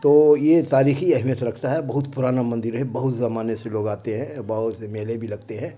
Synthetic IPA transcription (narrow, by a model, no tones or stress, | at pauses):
t̪oːjet̪aːɾiːxiɐɦɪmjət̪ɾɐkʰt̪aɦɛbɐɦʊt̪pʊɾaːnamɐ̃nd̪ɪɾɦɛbɐɦʊt̪zɐmaːneseloːɡaːt̪eɦɛ̃bɐɦʊt̪semeːlebʱilɐɡt̪eɦɛ̃ː